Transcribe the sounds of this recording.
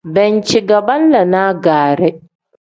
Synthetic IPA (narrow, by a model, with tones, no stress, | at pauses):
bɛ˨nt͡ʃiː˨ɡɐ˨bɐ˦nlɐ˨naː˦ɡaː˨ɾe˦